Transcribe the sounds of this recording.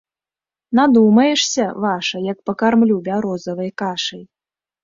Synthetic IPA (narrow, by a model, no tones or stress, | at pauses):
nad̪umɐjɛʂsʲɐvaʂɐjɐk̚pɐkarmlʲubʲaɾɔzɐvɐjkaʂɐj